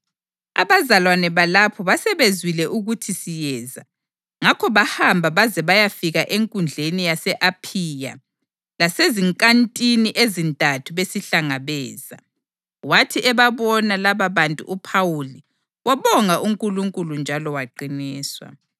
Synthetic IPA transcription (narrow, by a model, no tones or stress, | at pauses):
a̰βazalwanɛβalapʰɔβasɛβezwilɛʔuɣutʰisijɛːza | ŋakʰɔβahambʱaβazɛβajafiɣaʔeŋkʼund͡ɮʱenijasɛʔapʰija̰ | laseziŋkʼantʼiniʔezintʼatʰuβesiɬaŋaβɛːz̥a̰ | watʰiʔɛβaβɔnalaβaβantʼṵʔupʰawuli | wʔaβɔŋaʔuŋkʼuluŋkʼulund͡ʒʱalɔwaǃiniːswa̰